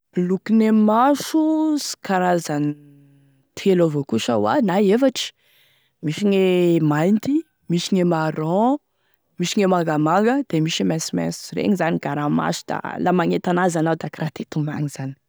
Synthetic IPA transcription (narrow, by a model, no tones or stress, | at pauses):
lukinemaʃusi̥kʰaɾazani | t̪ʰelovokuʃə̰wa̰naefaʈ͡ʂi̥ | miʃiŋemajnt̪i | miʃiŋemaɾɔ̃ | miʃiŋemaŋɡamaŋɡəd̪̥emiʃimɛsimɛ̰̃nsrḛŋizaniɡ̥aɾama̰su̥d̪a̰lamaŋet̪anazanawd̪akɾat̪et̪uma̰ŋiz̥ani̥